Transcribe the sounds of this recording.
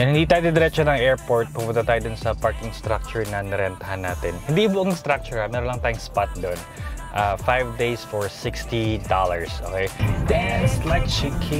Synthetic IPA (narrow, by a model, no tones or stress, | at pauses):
jɐnhɪnd̪iːt̪aːjod̪ɪd̪ɪɾɛt̪̚t͡ʃɐnɐŋɛɹpoɹt̪̚pɐbʊnd̪ɐt̪aːjʊd̪ʊnsɐpaɹkɪŋst̪ɾak̚t͡ʃʊɹɪŋnɐnɛɾɛnt̪ɐhanːaːt̪ɛnhɪ̃nd̪iboʔɐŋst̪ɾak̚t͡ʃʊɹɐmɛːɾonlɐŋt̪aːjʊŋspat̪̚d̪onʔafajvd̪ejsfɔɹsɪkst̪id̪alɐɹsʔo̰kejd̪ɛslaɪkʃikʰi